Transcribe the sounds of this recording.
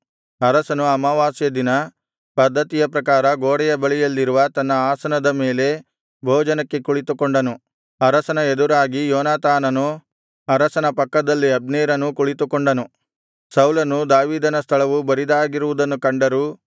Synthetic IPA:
ɐɾɐsɐnuɐmɐʋaːsjɐd̪inɐ | pɐd̪ʱːɐt̪ijɐpɾɐkaːɾɐɡoːɽɛjɐbɐɭijɐlːiɾuʋɐt̪ɐnːɐaːsɐnɐd̪ɐme̞ːle̞ | bʱoːd͡ʒɐnɐkːe̞kuɭit̪ukoɳɖɐnu | ɐɾɐsɐnɐed̪uɾaːɡijɔːnaːt̪aːnɐnu | ɐɾɐsɐnɐpɐkːɐd̪ɐlːiɐb̚neːɾɐnukuɭit̪ukoɳɖɐnu | sɐwlɐnud̪aːʋiːd̪ɐnɐst̪ʰɐɭɐʋubɐɾid̪aːɡiɾuʋud̪ɐnːukɐɳɖɐɾuː

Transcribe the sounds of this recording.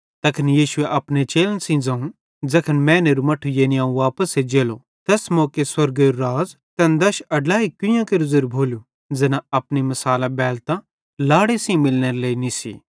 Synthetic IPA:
t̪ɐkʰənjiːʃʊeʔɐpnet͡ʃeːlənsĩd͡zɐ̃ũ | d͡zɐkʰənmɛ̃ːneɾumɐʈʰujeːniaːũʋaːpəsed͡ʒeːlo | t̪ɛːsmɔːkeswɐɾɡeɾuɾaːz | t̪ɛnd̪ɐʃɐɖlaːikʊ̃jãkeɾʊzʊɾbʱoːlu | d͡zɛnãɐpnimɐsaːlãbɛːlt̪ã | laːɽesĩmɪlneɾeleːinisḭ

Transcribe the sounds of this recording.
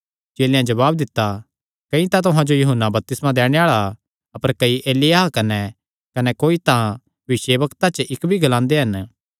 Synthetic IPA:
t͡ʃeːljãd͡ʒɐβaːb̚d̪ɪt̪ːa | kɐ̃ĩt̪at̪ʊɦãd͡ʒojɐɦʊnːabɐp̚t̪ɪsmãd̪ɛːɽ̃eaːɭa | ɐpəɾkɐiʔeːlɪjaːkɐnɛ | kɐnɛkoːit̪ã | ʋɪseːʋɐkt̪at͡ʃəʔɪkbʱiɡɐlãːnd̪eɦɐn

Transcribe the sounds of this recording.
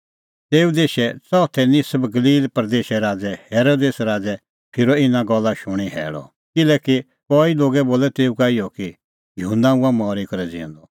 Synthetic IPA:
t̪eːud̪eːʃɛt͡sɔːt̪ʰɛnisɐbɡɐliːlpɾd̪eːʃɛɾaːd͡zɛhɛːɾoːd̪eːsɾaːd͡zɛ | pʰɪɾɔɪnãɡɔlːaʃʊɽ̃iɦɛ̰ːɽɔ̰ | kɪlɛːki | kɔːiloːɡɛboːlɛt̪eːukaːɪjɔki | jɐɦũnaũamɔːɾekɐɾɛd͡zḭ̃ːɔ̰̃nd̪ɔ

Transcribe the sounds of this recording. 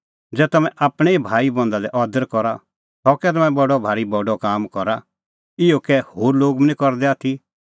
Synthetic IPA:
d͡zɛːt̪ɐmɛ̃ʔaːpɽ̃ɛibʱaːibɔ̃nd̪ad̪ɛʔɔːd̪əɾkɔɾa | t̪ɔkɛt̪ɐmɛ̃bɔɖɔbʱaːɾibɔɖɔkaːmkɔɾa | ɪokɛhoːɾloːɡmnĩkɔɾd̪ɛaːt̪ʰi

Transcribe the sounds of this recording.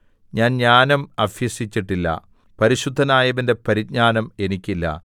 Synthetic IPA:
ɲaːnɲaːnɐmɐfjɐsit͡ɕːiʈːilːɐ̰ | pɐɾiɕud̪ʱːɐnaːjɐʋinde̞pɐɾik̚ɲaːnɐme̞nikʲːilːɐ̰

